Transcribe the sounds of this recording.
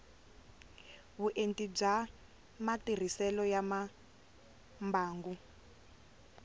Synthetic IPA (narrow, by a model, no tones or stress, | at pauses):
βuʔentib͡ʐa | matir̤isɛlɔjama | mbaːŋɡu